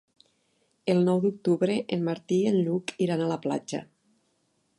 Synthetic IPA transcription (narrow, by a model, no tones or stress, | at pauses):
elˠnɔwd̪uk̚t̪uβɾeʔenmaɾt̪ienʎukiɾanalapla̰d͡ʒa̰